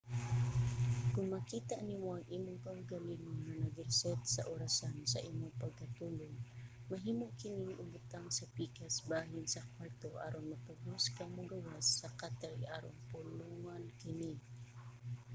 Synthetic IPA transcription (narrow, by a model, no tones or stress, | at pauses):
kʊŋmɐkiːt̪aʔnimoʔɐŋʔiːmoŋkahʊɡalinoŋnɐnɐɡɪɾsɛt̪̚sɐʔoɾasansɐʔiːmoŋpɐɡ̚kɐt̪uːlʊŋ | mɐɦiːmoʔkɪnɪŋʔʊmʊt̪aŋsɐpiːkasbaːɦɪnsɐkwaɾt̪oʔa̰ːɾonmɐpaɡuskaŋmʊɡawasːɐkat̪ajʔaːɾo̰ŋpʊluŋankɪni